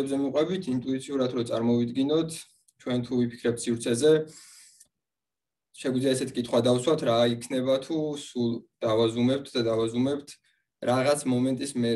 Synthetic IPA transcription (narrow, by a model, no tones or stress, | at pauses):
bzɛmuqʼwɛbit̪ʰint̪ʼuit̪sʰiuɾat̪ʰɾɔt̪sʼaɾmɔvid̪ɡinɔt̪ʰ | t͡ʃʰwɛnt̪ʰuvipʰi̥kʰɾɛp̚t̪ʰsivɾt̪sʰɛzɛ | ʃɛɡud̪zliaɛsɛt̪ʰi̥kʼit̪ʰχwad̪awswat̪ʰɾaikʰnɛbat̪ʰusulˠd̪̥avazumɛp̚t̪ʰd̪ad̪avazumɛpt̪ʰ | ɾaʁat̪sʰmɔmɛnt̪ʼismɛ